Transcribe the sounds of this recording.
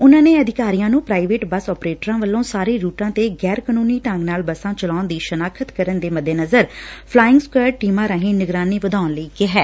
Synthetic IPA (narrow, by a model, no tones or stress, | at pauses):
ʊnãːneːəd̪ʱɪkaːɾijãːnũːpɾaːiʋeːʈbəsɔːpɾeːʈəɾãːʋəlːõːsaːɾeːɾuːʈãːt̪eːɡɛːɾkənuːniːʈə̃ŋɡnaːlbəsãːt͡ʃəlaːʊnd̪iːʃənaːkʰət̪kəɾənd̪eːməd̪eːnəzəɾpʰlaːɪŋɡskəːɖʈiːmãːɾaːɦĩːnɪɡɾaːniːʋəd̪aːnləiːkɪɦɛː